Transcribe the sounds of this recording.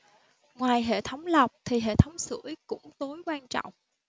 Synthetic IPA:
ŋwaː˨˩jɦḛ˧˨t̪ʰə˨˦wŋ͡mla˨˩wk͡p̚t̪ʰi˨˩ɦḛ˧˨t̪ʰə˨˦wŋ͡msɨ̰˧˩əjkʊ̰˧˥ŋ͡mt̪o˨˦jkwaː˧nt͡ɕɔ̰˧˨wŋ͡m

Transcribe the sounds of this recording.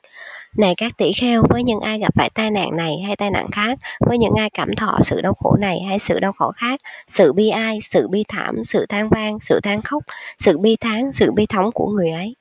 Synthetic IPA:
na˨˩jkaː˦˥k̚t̪i˧˩xɛ˧wvəː˨˦jɲɨ̰˧˥ŋʔaː˧jɣa˨˩p̚faː˧˨jt̪aː˧jna̰ː˧˨ŋna˨˩jɦa˧jt̪aː˧jna̰ː˧˨ŋxaː˦˥k̚vəː˨˦jɲɨ̰˧˥ŋʔaː˧jkaː˧˩mt̪ʰɔ̰˧˨sɨ̰˧˨ɗə˧wxo˧˩na˨˩jɦa˧˩jsɨ̰˧˨ɗə˧wxɔ˧˩xaː˦˥k̚sɨ̰˧˨ɓi˧ʔaː˧jsɨ̰˧˨ɓi˧t̪ʰaː˧˩msɨ̰˧˨t̪ʰaː˨˧ŋvaː˧ŋsɨ̰˧˨t̪ʰaː˨˦ŋxa˦˥wk͡p̚sɨ̰˧˨ɓi˧t̪ʰaː˨˦ŋsɨ̰˧˨ɓi˧t̪ʰə˨˦wŋ͡mku˧˩əŋɨ˨˩əjʔə˨˦j

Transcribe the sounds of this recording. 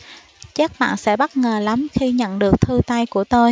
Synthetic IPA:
t͡ɕaː˦˥k̚ɓa̰ː˧˨nsɛ̰˧˥ɓa˦˥t̚ŋəː˨˩la˨˦mxi˧ɲə̰˧˨nɗɨ˨˩ək̚t̪ʰɨ˧t̪a˧jku˧˩ət̪o˧j

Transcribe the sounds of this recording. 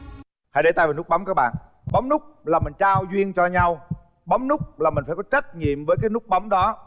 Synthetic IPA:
ha̰˨˧˨ɗe˧˩t̪aː˧˨jvaː˨˩nʊ˦˥ɓa˨˦wŋ͡mkaː˦˥k̚ɓa̰ː˧˨n | ɓɔ˨˦ŋ͡mnʊ˦˥k͡p̚laː˨˩mï˨˩ŋt͡ɕaː˧wzwi˧ənt͡ɕɔ˧ɲa˧w | ɓɔ˨˦wŋ͡mnʊ˦˥k͡p̚laː˨˩mï˨˩ŋ̟faː˧˩jkɔ˨˦t͡ɕə˦˥t̚ɲḭ˧˨əmvəː˨˦jkaː˨˦jnʊ˦˥k͡p̚ɓɔ˨˦wŋ͡mɗɔ˨˦

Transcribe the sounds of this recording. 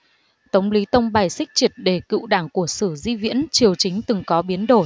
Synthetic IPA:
t̪ə˨˦wŋ͡mli˨˦t̪ə˧wŋ͡mɓaː˨˩jsï˦˥k̟̚t͡ɕi˨˩t̚ɗe˨˩kɨ̰˧˨wɗaː˧˩ŋku˧˩əsɨ˧˩zḭ˧vḭ˧˥ənt͡ɕi˨˩əwt͡ɕï˨˦ŋ̟t̪ɨ˨˩ŋkɔ˨˦ɓi˨˦ənɗo˧˩

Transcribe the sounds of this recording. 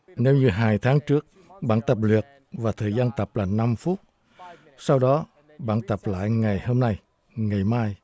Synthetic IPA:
ne˧˦wɲɨ˧ɦaː˧jt̪ʰaː˨˦ŋt͡ɕɨ˦˥ək̚ | ɓa̰ː˧˨nt̪ə˨˩p̚li˨˩ək̚ | vaː˨˩t̪ʰəː˨˩jzaː˧nt̪ə˨˩p̚laː˨˩na˧mfu˦˥t̚ | sa˧wɗɔ˨˦ | ɓa̰ː˧˨nt̪ə˨˩p̚la̰ː˧˨jŋa˨˩jho˧mna˧j | ŋa˨˩jmaː˧j

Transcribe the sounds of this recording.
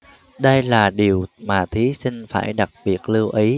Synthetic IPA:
ɗə˧jlaː˨˩ɗi˨˩əwmaː˨˩t̪ʰi˨˦sï˧ŋ̟fa̰ː˧˩jɗa˨˩k̚ɓi˨˩ət̚lɨ˧wʔi˨˦

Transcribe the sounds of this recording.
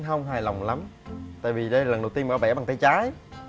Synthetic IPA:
nɦə˧wŋ͡mɦaː˧˩jla˨˩wŋ͡mla˨˦mt̪a̰ː˧˨jvi˨˩ɗə˧jla˨˩˨ə˨˩nɗə˨˩wt̪i˧ə˧mː˨˧˩ɓɛ̰˧˥˩ɓa˨˩ŋt̪ʰə˧jt͡ɕaː˨˦j

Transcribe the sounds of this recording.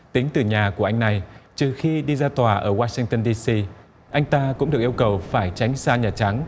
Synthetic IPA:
t̪ï˨˦ŋ̟t̪ɨ˨˩ɲaː˨˩ku˧˩əʔa˧jŋ̟na˨˩jt͡ɕɨ˨˩xi˧ɗi˧zaː˧t̪waː˨˩ʔəː˧˩waː˧sï˧ŋt̪ə˧nɗi˧si˧ | ʔa˧jŋ̟t̪aː˧kʊ̰˧˥ŋ͡mɨ˨ək̚ʔə˧wkə˨˩wfaː˧˩jt͡ɕa˨˦jŋ̟saː˧ɲaː˨˩t͡ɕa˨˦ŋ

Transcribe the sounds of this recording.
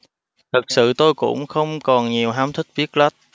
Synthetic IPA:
t̪ʰɨ˨˩k̚sɨ̰˧˨t̪o˧jkʊ̰˧˥wŋ͡mxə˧wŋ͡mkɔ˨˩nɲi˨˩əwɦaː˨˦mt̪ʰï˦˥k̚vi˦˥ək̚lə˦˥t̚

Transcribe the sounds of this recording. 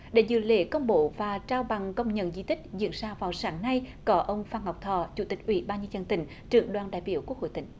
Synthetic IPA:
ɗe˧˩˦zɨ̰˧˨˦lḛ˧˦kə˧wŋ͡mɓo˧˦vaː˨˩t͡ɕaː˧wɓa˨˩ŋkə˧wŋ͡mɲə̰˧˨nzi˧˦t̪ʰï˦˥k̟̚zḭ˧˨ənzaː˧vaː˨˩wsaː˨˦ŋna˧jkɔ˨˦ʔə˧wŋ͡mfaː˧˩nha˨˩wk͡p̚t̪ʰɔ˧˩t͡ɕu˧˩˦t̪ï˨˩k̟̚ʔwḭ˧˩˦ɓaː˧nɲi˧nzə˧˨˩nt̪ï˧˩˦ŋ̟ | t͡ɕɨ˧˨əŋɗwaː˨˩nɗa̰ː˧˨jɓḭ˧˩əwku˦˥ək̚ho̰˧˨jt̪ŋ̟

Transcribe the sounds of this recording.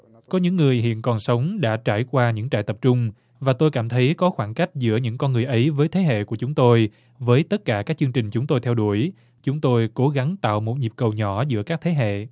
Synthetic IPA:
kɔ˨˦ɲɨ̰˧˥ŋːɨ˨˩əjɦḭ˧˨ənkɔ˨˩nsə˨˦wŋ͡mɗa̰ː˧˥t͡ɕa̰ː˧˩jkwaː˧ɲɨ̰˧˥ŋt͡ɕa̰ː˧˨jt̪ə˨˩p̚t͡ɕʊ˧ŋ͡m | vaː˨˩t̪o˧jkaː˧˩mt̪ʰə˨˦jkɔ˨˦xwaː˧˩nka˦˥jk̟̚zɨ̰˧˥əɲɨ̰˧˥ŋkɔ˧nŋɨ˨˩əjʔə˨˦jvəː˨˦jt̪ʰe˨˦ɦḛ˧˨ku˧˩ət͡ɕʊ˨˦ŋ͡mt̪o˧j | vəː˨˦jt̪ə˦˥t̚kaː˧˩kaː˦˥k̚t͡ɕɨ˧əŋt͡ɕï˨˩ŋ̟t͡ɕʊ˨˦ŋ͡mt̪o˧jt̪ʰɛ˧wɗu˧˩əj | t͡ɕʊ˨˦ŋ͡mt̪o˧jko˨˦ɣa˨˦ŋt̪a̰ː˧˨wmo˨˩t̚ɲi˨˩p̚kə˨˩wɲɔ˧˩zɨ̰˧˥əkaː˦˥k̚t̪ʰe˨˦ɦḛ˧˨

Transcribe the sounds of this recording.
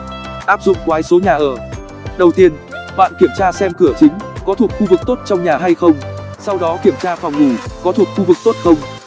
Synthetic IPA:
ʔaː˦˥p̚zʊ̰˧˨ŋ͡mkwaː˨˦jso˨˦ɲaː˨˩ʔəː˧˩ | ɗə˨˩wt̪i˧ən | ɓa̰ː˧˨nki˧˩əmt͡ɕaː˧sɛ˧mkɨ˧˩ət͡ɕï˨˦ŋ̟kɔ˨˦t̪ʰu˨˩ət̚xu˧vɨ˨˩k̚t̪o˦˥t̚t͡ɕɔ˧wŋ͡mɲaː˨˩ɦa˧jxə˧wŋ͡msa˧wɗɔ˨˦ki˧˩əmt͡ɕaː˧fɔ˨˩wŋ͡mŋu˧˩kɔ˨˦t̪ʰu˨˩ət̚xu˧vɨ˨˩k̚t̪o˦˥t̚xə˧wŋ͡m

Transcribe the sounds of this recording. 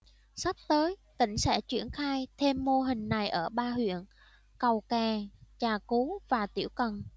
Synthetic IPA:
sa˦˥p̚t̪əː˨˦jt̪ï˧˩ŋ̟sɛ̰˧˥t͡ɕwi˧˩ənxaː˧jt̪ʰe˧mːo˧ɦï˨˩ŋ̟na˨˩jʔəː˧˩ɓaː˧hwḭ˧˨ən | kə˨˩wkaː˨˩t͡ɕaː˨˩ku˨˦vaː˨˩t̪ḭ˧˩əwkə˨˩n

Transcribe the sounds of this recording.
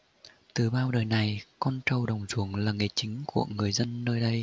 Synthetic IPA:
t̪ɨ˨˩ɓaː˧wɗəː˨˩jna˨˩jkɔ˧nt͡ɕə˨˩wɗə˨˩wŋ͡mzu˧˩əŋlaː˨˩ŋe˨˩t͡ɕï˨˦ŋ̟ku˧˩əŋɨ˨˩əjzə˧nːəː˧jɗə˧j

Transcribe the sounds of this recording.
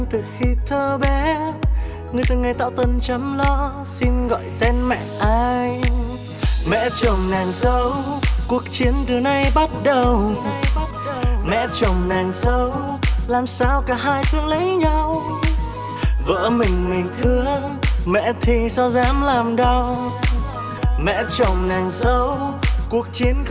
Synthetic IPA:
ŋt̪ɨ˨˩xi˧t̪ʰəː˧ɓɛ˨˦ | ŋɨ˨˩əjt̪ɨ˨˩ŋa˨˩jt̪a̰ː˧˥˨wt̪ə˧˩nt͡ɕə˨˦mlɔ˧ | si˧nɣɔ̰˧˨jt̪e˧nmɛ̰˧˨ʔaː˧j | mɛ̰˧˥t͡ɕə˨˩wŋ͡mnaː˨˩ŋsə˨˦wku˨˩ək̚t͡ɕi˨˦ənt̪ɨ˨˩na˧jɓa˦˥t̚ɗə˨˩wɓa˥t̚ɗmɛ̰˧˥t͡ɕə˨˩wŋ͡mnaː˨˩ŋsə˨˦w | laː˨˩msaː˧wkaː˧˩ɦaː˧jfɨ˧əŋlə˨˦jɲa˧w | və̰ː˧˥mï˨˩ŋ̟mï˨˩ŋ̟t̪ʰɨ˧ə | mɛ̰˧˥t̪ʰi˨˩sa˧wzaː˨˦mlaː˨˩mɗə˧w | mɛ̰˧˥t͡ɕə˨˩wŋ͡mnaː˨˩ŋsə˨˦wku˨˩ək̚t͡ɕi˨˦ən

